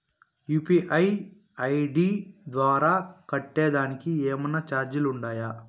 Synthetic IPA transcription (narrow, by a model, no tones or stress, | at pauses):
juːpiʔɐj | ɐjɖiːd̪ʋaːɾaːkɐʈːeːd̪aːnikieːmɐnːɐt͡ʃaːɾd͡ʒuluɳɖaːja